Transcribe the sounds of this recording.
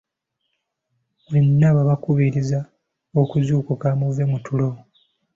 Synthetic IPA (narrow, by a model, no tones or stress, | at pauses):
βenːaβaβakuβiɾiza | okuzuːkukamuvemutulo